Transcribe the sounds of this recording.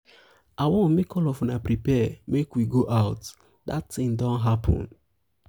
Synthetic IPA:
awɔ̃nmekʰɔlɔfɔnapɾipɛmekwiɡoʔaʊt | datːĩŋdɔ̃nɦapʰɔ̰̃n

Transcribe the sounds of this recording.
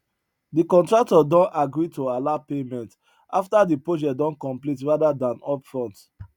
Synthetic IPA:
dikɔ̃ntɹak̚tɔdɔ̃naɡɹitoalapemɛ̃nt | aftadipɹod͡ʒɛdɔ̃nkɔ̃mplitɹadadãnɔpfɹɔ̃nt

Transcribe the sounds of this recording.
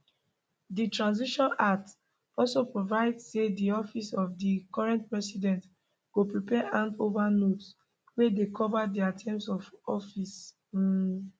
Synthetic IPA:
ditɹãnziʃɔ̃nat | ɔlsopɹovaɪdsediɔfisɔfdikɔɹɛ̃ntpɹɛsidɛ̃nt | ɡ̥opɹipɛʔãndovanots | wedekʰɔvadiatʰɛ̃msɔvɔfis̩

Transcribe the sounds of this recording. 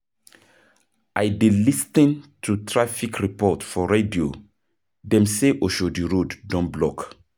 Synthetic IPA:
ajdelistĩntʰutɹafikʰɹipɔtfɔɹedio | dɛ̃mseʔoʃodiɹodːɔ̃nblɔk

